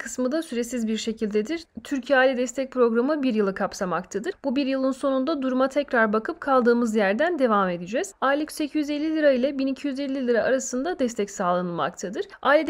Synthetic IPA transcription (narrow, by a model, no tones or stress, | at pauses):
kʰɯsmɯd̪asyɾe̞sizbiɾʃe̞cʰilʲd̪ed̪iɾ̥t̪ʰyɾcʰiaːlʲɛd̪ɛst̪ʰɛc̚pʰɾo̞ɡɾamɯbiɾjɯlˠɯkʰapsamakt̪ʰad̪ɯɾbubiɾjɯlˠɯnso̞nund̪ad̪uɾumat̪ʰɛcɾaɾbakʰɯp̚kʰalˠd̪ɯːmɯzjæɾd̪ænd̪e̞vame̞d̪id͡ʒɛːz̥aːjlʲicʲse̞cʰijyzelʲːilʲiɾailʲɛbinicʰijyze̞lʲːilʲiɾaʔaɾasɯnd̪ad̪ɛst̪ʰɛcsaːlˠanɯlˠma̰kt̪ʰad̪ɯɾ̥aːlʲɛ